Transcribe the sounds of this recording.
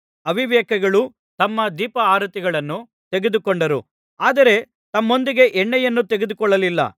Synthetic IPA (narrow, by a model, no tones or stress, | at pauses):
ɐʋiʋɛːkɐɡɐɭu | t̪ɐmːɐd̪iːpɐaːɾɐt̪iɡɐɭɐnːu | t̪eɡed̪ukoɳɖɐɾu | aːd̪ɐɾe̞ | t̪ɐmːo̞nd̪iɡe̞ʔɛɳːɛjɐnːut̪eɡed̪ukɔɭːɐlilːɐ̰